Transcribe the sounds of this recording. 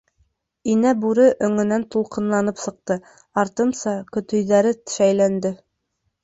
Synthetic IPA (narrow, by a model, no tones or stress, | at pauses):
inæbuɾɘʔɵ̆ŋɵ̆nænt̪ulˠqɤ̆nlˠɑnɤpsɤ̆q̚t̪ɤ | ɑɾt̪ɤ̆msɑkɵ̆t̪ɵ̆jðæɾɘt̪ʃæjlænd̪ɘ